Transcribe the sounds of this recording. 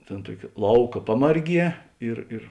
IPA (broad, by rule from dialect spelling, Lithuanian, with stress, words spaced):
ˈtʲeːn ˈtuɔkʲɪ ˈlˠɐʊkɐ ˈpɑːmɐrʲˌɡʲiɛ ɪr ɪr